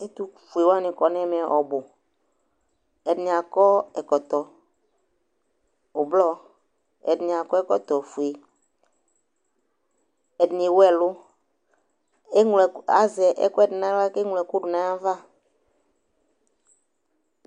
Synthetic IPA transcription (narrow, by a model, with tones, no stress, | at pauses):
e˦t̪u˦˨fu˨e˨wa˦nĩ˨kɔ˨nɛ̃˦mɛ̃˨ʔɔ˨bo˨ | ɛ˨dnĩ˨a˨kɔ˦ɛ˨kɔ˨t̪ɔ˨ | o˨blɔ˦ | ɛ̰˨dnĩ˨a˨kɔ˦ɛ˦kɔ˨t̪ɔ˨fu˨e˨ | ɛ˨dnĩ˨wo˦ɛ˦˨lʊ˦ | e˦ŋlɛ˨a˦zɛ˨ʔɛ̰˦kɔ˦ɛ˨dnã˦la˦ke˦ŋlɛ˨kʊ˦ɖʊ˨nã˦a˦va˦˨